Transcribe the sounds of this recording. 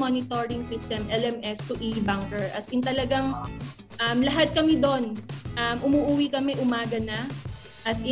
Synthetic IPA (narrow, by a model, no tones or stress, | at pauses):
onɪt̪oɹɪŋsɪst̪ɛmʔɛlɛmɛst̪ʊʔibaŋkɛɹʔɐsɪnt̪ɐlɐɡaŋ | ʔɐmlɐɦat̪̚kɐmɪd̪o̞nʔɐmʔʊmuːʔuːwikɐmɛʔʊmaːɡɐna | ʔɐsɪ